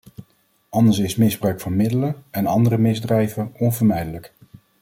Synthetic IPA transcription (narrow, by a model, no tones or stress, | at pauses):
ɑndəsɪsmɪzbrœɥkfɑnmɪdələɛnɑndərəmɪzdrɛjvəɔnvəɹmɛjdələk